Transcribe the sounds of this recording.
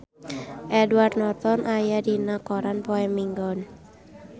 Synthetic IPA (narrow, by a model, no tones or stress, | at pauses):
ʔɛduwarnɔt̪ɔnʔajadinakɔɾanpɔɛmiŋɡɔn